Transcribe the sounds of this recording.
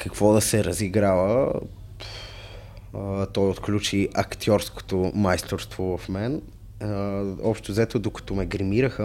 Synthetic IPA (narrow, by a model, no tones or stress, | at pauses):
kəkvɔd̪ɐsɛɾəziɡɾavə | t̪ɔjot̪klʲut͡ʃiʔɐkt̪ʰʲjɔɾsko̥t̪omajst̪oɾst̪vovɐfmɛn | ɔpʃt̪ozɛt̪od̪okə̥t̪omɛɡɾimiɾəxə